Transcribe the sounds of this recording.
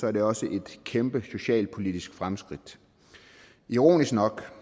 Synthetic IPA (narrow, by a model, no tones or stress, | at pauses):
sɒ̽æɐd̥e̝ɒ̽səʔe̝d̥kʰemb̥əso̝ɕɛ̰ːlpʰo̝lid̥isɡ̥fʁamsɡ̥ʁid̥ | iʁo̝̰ːnisɡ̥nɒ̽ɡ̥